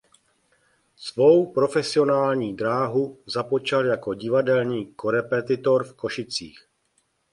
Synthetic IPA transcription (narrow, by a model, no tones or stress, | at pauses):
svo̞wpɾo̞fɛsɪo̞naːlɲiːdɾaːɦuzapo̞t͡ʃaljako̞ɟɪvadɛlɲiːkoɾɛpɛt̪ɪt̪o̞ɾfko̞ʃɪt͡sḭːx